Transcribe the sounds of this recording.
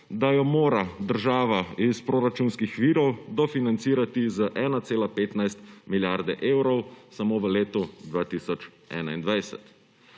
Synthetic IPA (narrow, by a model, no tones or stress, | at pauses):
d̪ajɔmoːɾad̪əɾʒaːʋaispɾoːɾat͡ʃuːnskixʋiːɾɔwd̪ɔfinant̪siːɾat̪izəʔɛːnat̪seːlapeːt̪najst̪miljaɾd̪ɛʔeːwɾɔwsamoːʋəleːt̪ɔd̪ʋaːt̪iːsɔt͡ʃ | ɛ̰ːnaind̪ʋajsɛ̰t̪